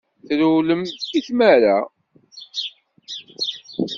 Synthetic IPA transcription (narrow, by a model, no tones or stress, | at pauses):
θɾuləmiθmæɾæ